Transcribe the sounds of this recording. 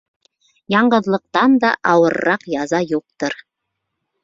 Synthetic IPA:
jɑɴɢɤ̆ðlˠɤ̆q̚t̪ɑnd̪ɑ̰ʔɑwɤ̆ɾːɑqjɑzɑjuq̚t̪ɤɾ

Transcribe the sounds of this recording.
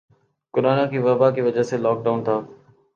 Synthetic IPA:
kʊɾaːnãkiːʋɐbaːkiːʋɐd͡ʒəɦselɔːk̚ɖaːʊnt̪ʰaː

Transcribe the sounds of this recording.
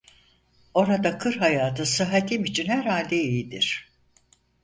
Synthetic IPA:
o̞ɾad̪akʰɯɾɦajaːt̪ʰɯsɯɦat̪ʰimit͡ʃʰinhæɾhalʲd̪eijid̪iɾ̥

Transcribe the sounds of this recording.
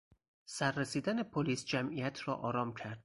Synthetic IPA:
sæɾːesiːd̪æne̞pʰoliːsd͡ʒæmʔijæt̪ʰɾɒːʔɒːɾɒːmcʰæɾd̪̥

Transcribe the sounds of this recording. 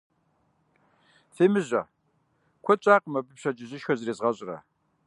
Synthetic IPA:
femɨʑɐ | kʷʰɔt͡ʃʼaːqəmɐbɨpɕɐd͡ʒʼɪʑɪʃxɐzreːzʁɐɕʼɪrɐ̰

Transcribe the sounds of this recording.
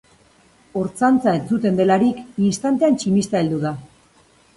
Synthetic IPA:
o̞ɾt͡sant͡sae̞nt͡sut̪e̞nd̪e̞laɾikinst̪ant̪e̞ant͡ʃimist̪aeld̪uða

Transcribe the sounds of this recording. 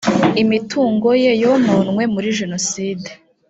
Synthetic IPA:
imituːŋɡo̞jejomonŋwe̞muɾiʒe̞no̞siːde

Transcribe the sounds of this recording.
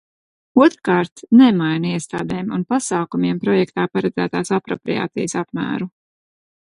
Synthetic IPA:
uɔt̪ɾkaːɾt̪nemajniɛst̪aːd̪ɛːmṵnpasaːkumiɛmpɾɔjɛkt̪aːpaɾɛd̪zæ̰ːt̪aːsapɾɔ̰pɾḭja̰ːt̪sḭjəsapmæ̰ːɾu

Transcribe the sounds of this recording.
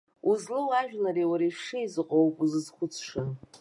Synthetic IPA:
uzlɨlaʒᶣlaɾiwaɾiʂɨizɨqʼowpʼuzɨzχʷʊt͡sʰʂɨn

